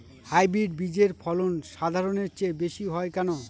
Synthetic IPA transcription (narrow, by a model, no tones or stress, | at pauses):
hajbɾiɖ̚bid͡ʑeɾpʰɔlonʃad̪ʱaɾoneɾt͡ɕebeʃiɦɔekɛno